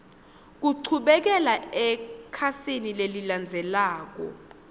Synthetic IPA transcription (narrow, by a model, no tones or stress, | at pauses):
k̬uǀʰuɓɛk̬ɛlaɛkʰasinileliland͡zʱɛlaːk̬ɔ̰